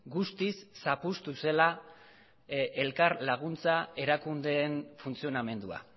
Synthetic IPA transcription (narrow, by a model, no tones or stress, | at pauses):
ɡust̪isːapust̪use̞la | e̞lkaɾlaɣ̞unt͡sae̞ɾakund̪e̞ːnfunt͡sio̞name̞nd̪ua̰